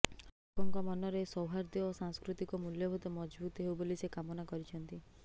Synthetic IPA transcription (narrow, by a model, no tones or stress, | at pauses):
ɔkʰɔŋkɔmɔnɔɾesɔwɦaɾd̪ɔːsaŋskɾut̪ikɔmuljɔbʱut̪ɔmɔd͡ʒbut̪ɦewbolisekamɔnakɔɾit͡ʃʰɔnt̪i